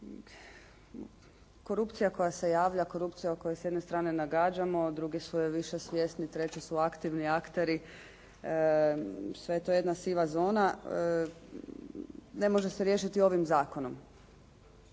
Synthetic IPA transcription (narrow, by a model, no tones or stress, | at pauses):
ko̞ɾupt̪sijako̞jase̞jaːʋʎako̞ɾupt̪sijaoko̞jesjed̪ne̞st̪ɾaːne̞naɡaːd͡ʑamo̞d̪ɾuɡisuʋiʃesʋje̞st̪nit̪ɾe̞t͡ɕesuakt̪iʋniakt̪e̞ɾi | sʋe̞jet̪o̞je̞d̪nasiʋazo̞ːna | ne̞mo̞ʒe̞seɾje̞ːʃit̪io̞ʋimzaːko̞no̞m